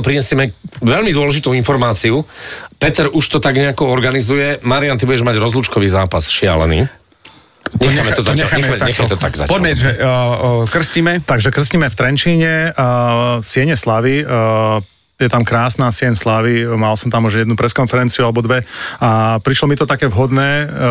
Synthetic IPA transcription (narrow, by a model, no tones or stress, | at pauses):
pɾiɲɛsɪɛmɛʋɛʎmid̪ʊɔlɛʒit̪uinfɔɾmaːt͡siupɛt̪ɛɾuʃt̪ɔt̪aɡɲɛakɔɔɾɡanizujɛmaɾiant̪ibuɟɛʒmaɟɾɔzlut͡ʃkɔʋiːzaːpasʃɪa̰lɛ̰nḭː | ɲɛxɲamɛt̪ɔzaɲɛxajmt̪aɲɛxat̪ɔt̪a̰ɡza̰pɔd̪mɛɛʒɛ | kr̩sciːmɛt̪aɡʒɛkr̩sciːmɛft̪ɾɛnt͡ʃiːɲɛ | sɪɛɲɛslaʋi | jɛt̪amkɾaːsnaːsɪɛɲslaʋimalsɔmt̪amuʒjɛd̪nupɾɛskɔnfɛɾɛnt͡siualɛbɔd̪ʋɛapɾiʃlɔmit̪ɔt̪akɛːʋɦɔd̪nɛː